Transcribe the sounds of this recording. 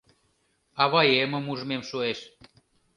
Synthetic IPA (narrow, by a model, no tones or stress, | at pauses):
ɑβɑjemə̆muʒə̆memʃueʃ